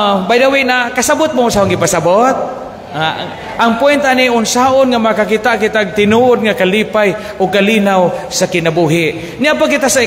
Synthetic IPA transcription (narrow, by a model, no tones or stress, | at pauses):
bajdawɪʔnakasabʊt̪̚maʊnsaʊnɡɪpasabot̪̚ | a | ʔaŋpʊɛnt̪aniʔʊnsaːʊnŋamakakit̪aʔkɪt̪aɡ̚t̪ɪnuʔʊd̪̚ŋakalipaj | ʊɡ̚kalinawsakɪnabuɦɪʔ | nɪapakɪt̪asaɪ